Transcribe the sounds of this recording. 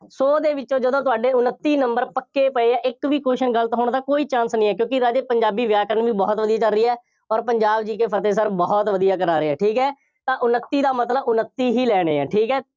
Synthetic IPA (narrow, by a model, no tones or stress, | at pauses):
soːd̪eːʋɪt͡ʃõːd͡ʒəd̪õːt̪̬ʊaːɖeːʊnət̪ːiːnəmbəɾpəkːeːpəeːaːʔɪkʋiːkoːʃənɡəlt̪ɦʊɳd̪aːkoːiːt͡ʃãːnsnĩːɛːkjõːkɪɾaːd͡ʒeːpəɲd͡ʒaːbiːʋjaːkəɾənʋiːbɔːt̪ʋəd̪ijaːt͡ʃəlɾiːɛː | ɔːɾpəɲd͡ʒaːbd͡ʒiːkeːpʰət̪eːs̬əɾbɔːt̪ʋəd̪ijaːkəɾaːɾeːɛːʈʰiːkɦɛː | t̪ãːʔʊnət̪ːiːd̪aːmət̪ləbʊnət̪ːiːɦiːlɛːɽ̃ḛːɛ̰ːʈʰiːkɛː